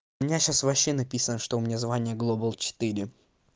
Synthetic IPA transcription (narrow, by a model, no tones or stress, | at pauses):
ʊmʲɪnʲaɕasvɐɕːenɐpʲisənəʂt̪oʊmʲɪnʲazvanʲɪjəɡlˠobəlˠt͡ɕɪ̥t̪ɨɾʲɪ